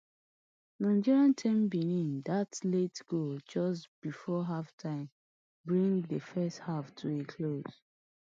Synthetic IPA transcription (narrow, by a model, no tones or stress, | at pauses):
nãɪ̃nd͡ʒiɹiãntʰɛ̃mbinĩndatletɡ̥od͡ʒɔsb̥ifɔɦaftʰãɪ̃m | bɹĩŋdəfɛsthaftʰuekʰloz̥